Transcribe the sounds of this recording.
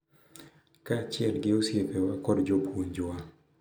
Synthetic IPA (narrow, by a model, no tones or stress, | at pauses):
kat͡ʃɪɛlɡɪosjepɛwakɔdd͡ʒopoɲd͡ʒʊa